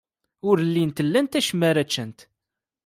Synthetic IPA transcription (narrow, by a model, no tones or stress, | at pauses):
ʊɾlːint̪əlːænt̪æʃəmːæɾæt͡ʃːənt̪